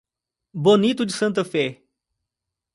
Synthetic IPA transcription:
bonit̪ʊd͡ʒɪsɐ̃nt̪ɐfɛ

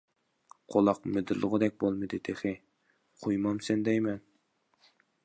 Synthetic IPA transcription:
qʰolˠɑqmɪd̪ɨɾlˠəʁəd̪ɛk̚ʲbolˠmɨd̪ɪd̪eχɪ | qʰojmɑmsɛnd̪ɛjmɛn

